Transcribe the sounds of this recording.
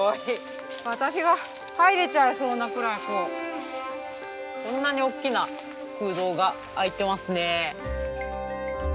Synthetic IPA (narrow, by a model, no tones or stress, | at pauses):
oi | βat̪aɕiɡa | haiɾe̞t͡ɕaɯ̟so̞ːnakɯ̟ɾaiko | kõ̞nːaɲ̟io̞kʲːina | ɸɯ̟ːd̪o̞ːɡaː | it̪e̞masɨne̞